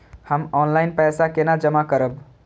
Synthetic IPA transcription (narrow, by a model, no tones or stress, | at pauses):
həmɔnlaɪnpɛsakenad͡ʒəmakəɾəb